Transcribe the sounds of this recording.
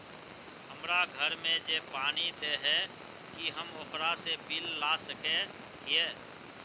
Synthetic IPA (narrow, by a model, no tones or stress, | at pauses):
ɦəmɾaɡʱəɾmẽd͡ʒepaːñid̪eɦɛ | kiɦəmokɾasebɪlːasəke | ɦieː